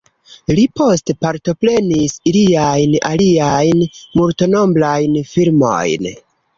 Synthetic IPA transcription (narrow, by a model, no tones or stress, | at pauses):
lipo̞stepaɾto̞pɾe̞nisiliajna̰liajnmulto̞no̞mblajnfilmo̞̰jn